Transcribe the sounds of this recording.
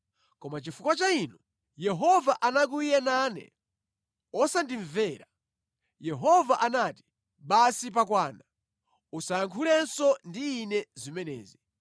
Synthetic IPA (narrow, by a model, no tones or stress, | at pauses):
kɔmat͡ʃifukwat͡ʃainu | jɛɦɔvaʔanak̬uijɛnaːnɛ̰ | ɔsandiɱvɛːɾa | jɛɦɔvaʔanaːti̥ | ɓasip̬ak̬waːna | usajaŋkʰulɛnsɔndiːnɛzimɛnɛ̰ːzi